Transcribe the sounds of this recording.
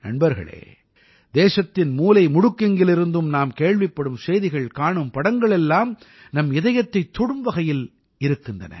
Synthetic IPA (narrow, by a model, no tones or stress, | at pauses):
nɐ̰ɳbɐɾɣɐ̰ɭḛː | d̪eːʂɐt̪ːɪnmuːlɐɪmʊɽʊkːɛŋɡɪlɪɾɯnd̪ɯmnaːmkeːɭʋɪpːɐɽɯmsɛjðɪɣɐɭkaːɳɯmpɐɽɐŋɡɐɭɛlːaːm | nɐmɪðɐjɐt̪ːɐɪt̪ːɔɽɯmʋɐɣɐjɪl | ɪɾɯkːɪndrɐ̰nɐ̰